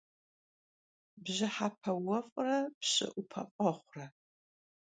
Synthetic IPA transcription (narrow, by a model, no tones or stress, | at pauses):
bʑɪħapʰɐwɐfʷʼrɐpɕʼɪ̰ʔupʰɐ̰fʼɐχʷrɐ